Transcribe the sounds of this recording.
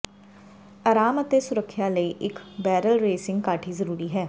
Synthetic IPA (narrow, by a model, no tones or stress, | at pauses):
aːɾaːmət̪eːsʊɾəkʰːjaːləiːʔɪkbɛːɾəlɾeːsɪ̃ŋɡkaːʈʰiːzəɾuːɾiːɦɛː